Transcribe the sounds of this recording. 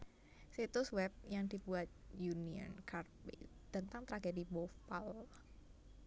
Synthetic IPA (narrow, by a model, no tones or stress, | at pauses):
sit̪ʊswɛp̚jaŋd̪ibuat̪̚juniə̰nkarpḭd̪̥ənt̪aŋt̪ɾaɡedibofal